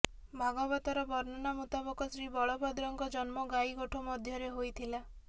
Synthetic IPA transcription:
bʱaɡɔbat̪ɔɾɔbɔɾnɔnamut̪abɔkɔsɾibɔɭɔbɔd̪ɾɔŋɡɔd͡ʒɔnmɔɡajɡoʈʰumɔd̪ʱjɔɾeɦojt̪ʰila

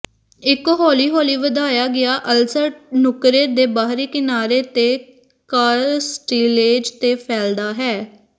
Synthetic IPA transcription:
ɪkɦɔːliːɦɔːliːʋəd̪aːjaːɡɪaːʔəlsənʊkɾeːd̪eːbaːɦɾiːkɪnaːɾeːt̪eː | kaːɾsʈiːleːd͡ʒt̪eːpʰɛːld̪aːɦɛː

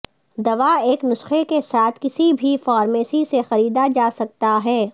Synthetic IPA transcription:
d̪ɐʋaeːknʊsxekesaːt̪ʰkɪsibʱifɔːɾmeːsisexɐɾiːd̪ad͡ʒaːsɐk̚t̪aɦɛː

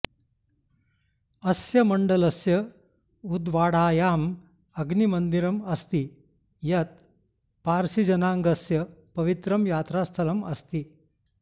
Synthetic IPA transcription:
ɐsjɐmɐɳɖɐlɐsjɐ | ud̪ʋaːɽaːjaːm | ɐɡnimənd̪iɾɐmɐst̪i | jɐt̪̚ | paːɾsid͡ʑɐnaŋɡɐsjɐpɐʋit̪ɾɐmjaːt̪ɾast̪ʰɐlɐmɐst̪i

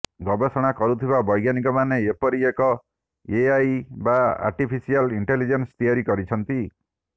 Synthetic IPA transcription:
ɡɔbesɔɽ̃akɔɾut̪ʰiβabɔjɡjanikɔmaneepɔɾiekɔ | eajbaa̰ɾʈipʰisialiɳʈelid͡ʒenst̪ijaɾikɔɾit͡ʃʰɔnt̪i

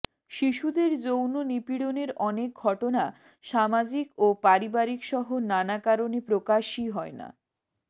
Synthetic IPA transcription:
ʃiʃud̪eɾd͡ʑownonipiɽoneɾɔnek̚ɡʱɔʈona | ʃamad͡ʑikopaɾibaɾikʃɔɦonanakaɾonepɾokaʃiɦɔena̰

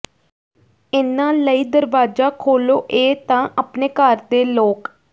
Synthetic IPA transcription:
ɪnãːləiːd̪əɾʋaːd͡ʒaːkʰoːloːʔeːt̪ãːʔəpneːkəɾd̪eːloːk

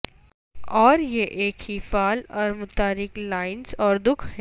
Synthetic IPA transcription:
ɔːɾjeʔeːkhifaːlɔːɾmʊt̪aːɾɪklaːɪnzɔːɾd̪ʊkʰɦɛː

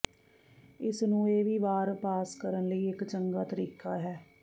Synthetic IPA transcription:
ɪsnũːeːʋiːʋaːɾpaːskəɾənləiːɪkt͡ʃəŋɡaːt̪əɾiːkaːɦɛː

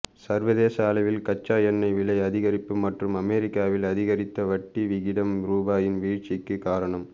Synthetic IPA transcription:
sɐɾʋɐðeːsaːlɐʋɪlkɐt͡ʃːaːjɐnːɐɪʋɪɭɐɪɐðɪɣɐɾɪpːɯmɐʈrɯmɐmɛːɾɪkːaːʋɪlɐðɪɣɐɾɪt̪ːɐʋɐʈːiʋɪɣɪɽɐmɾuːbaːjɪnʋiːt͡ʃɪkːɯkaːɾɐɳɐm

